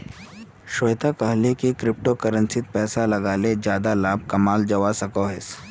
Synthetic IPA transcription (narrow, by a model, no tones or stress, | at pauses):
ʃoːjt̪akɐɦlekekɾɪp̚ʈokɐɾə̃nsɪt̪̚pɛːsalɐɡaːled͡ʒjaːd̪alaːb̚ʱkɐmaːld͡ʒɐʋasɐkoɦes